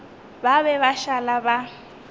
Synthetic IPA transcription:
baβɛβaʃalaba

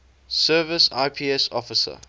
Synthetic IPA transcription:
sɜːvɪsa̰ɪpʰiːɛsɔfɪsə̰

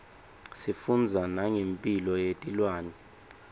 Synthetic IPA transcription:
sifund͡zʱanaŋempʼilɔjetʼilwaːnɛ

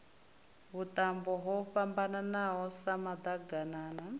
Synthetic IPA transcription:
βutʼambɔɦɔɸambananaɦɔsamad̪aɡanaːna

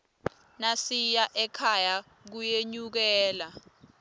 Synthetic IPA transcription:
nasijaʔɛkʰaja | k̬ujeɲuk̬ɛːla

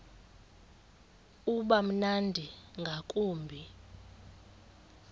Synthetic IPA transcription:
uɓam̩nandʱiŋɡʱakʼuːmbʱi

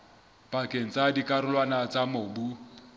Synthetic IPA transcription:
pakʼeŋ̩t͡sʼadikʼaɾʊlwanat͡samoːbu

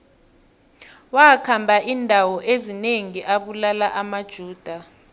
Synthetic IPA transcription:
wakʰambʱaʔiːndʱawɔʔezineŋiʔaɓulalaʔamad̥ʒ̥ʱuːd̥ʱa

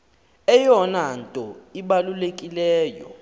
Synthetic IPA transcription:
ɛjɔnantʼɔiɓalulekʼilɛːjɔ̰

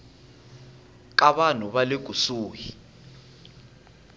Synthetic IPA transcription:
k̬ʼaɓan̤uβalek̬ʼusuːji

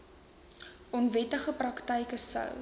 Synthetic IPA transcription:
ʔɔnvɛtəχəprɐktəjkəsɐ̰w

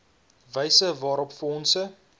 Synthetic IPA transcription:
vəjsəvɑːɾɔpfɔnsə

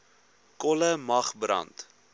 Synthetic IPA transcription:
kɔləmɐχbrɐ̰nt

